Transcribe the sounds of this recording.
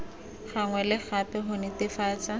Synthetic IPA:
χaŋwɛlɪχapɛɦʊnɪtɪfaːt͡sa

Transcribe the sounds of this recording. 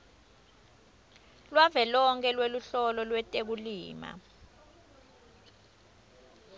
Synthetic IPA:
lwavɛlɔŋkʰʼɛlweluɬɔlɔlwɛtʼek̬uliːma̰

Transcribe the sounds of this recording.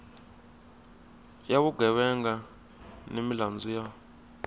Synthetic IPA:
jaβuɡɛwɛŋɡa | nemiland͡zuja

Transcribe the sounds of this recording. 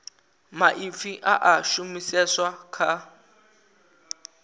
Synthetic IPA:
maʔifiʔaʔaʃumisɛswakʰa

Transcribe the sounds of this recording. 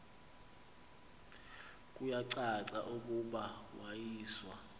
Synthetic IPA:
kʼujaǀaǀa̰ʔuk̬ʼuɓawajiːswa

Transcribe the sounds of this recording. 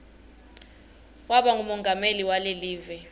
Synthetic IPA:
waɓaŋumɔŋɡʱameliwaleliːvɛ

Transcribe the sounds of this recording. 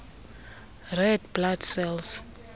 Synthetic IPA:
rɛdbladsɛls

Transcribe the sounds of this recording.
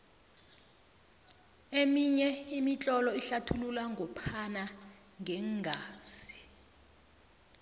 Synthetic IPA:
emiɲɛimit͡ɬʼɔlɔiɬatʰululaŋɡʱɔpʰana | ŋʱɛŋɡʱaːz̥i̥

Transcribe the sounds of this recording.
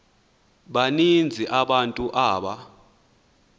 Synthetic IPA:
ɓanind͡zʱiʔaɓantʼuʔaːɓa

